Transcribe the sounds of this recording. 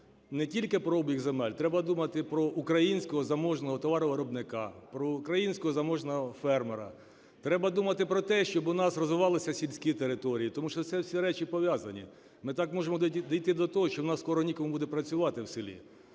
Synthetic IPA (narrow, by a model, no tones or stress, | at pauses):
nɛtʲilʲkɪpɾɔɔbʲjikzemɛlʲt̪ɾɛbɐd̪umɐt̪ɪpɾɔʔukɾɐjinʲsʲkɔɦɔzɐmɔʒnɔɦɔt̪ɔʋɑɾɔʋɐɾɔbnɪkɑpɾɔʊkɾɐjinʲsʲkɔɦɔzɐmɔʒnɔɦɔfɛrmeɾɐ̰ | t̪ɾɛbɐd̪umɐt̪ɪpɾɔt̪ɛʃt͡ʃɔbʊnɑsrɔzʋɪʋɑlˠɪsʲɐsʲilʲsʲkʲit̪eɾɪt̪ɔɾʲijit̪ɔmuʃt͡ʃɔt̪sɛwsʲiɾɛt͡ʃipɔʋʲjɑzɐnʲḭ | mɪt̪ɑkmɔʒemɔd̪ɔjt̪ɪd̪ɔt̪ɔɦɔʃt͡ʃɔwnɑsːkɔɾɔnʲikɔmubud̪ɛpɾɐt͡sʲʊʋɑt̪ɪwsɪlʲḭ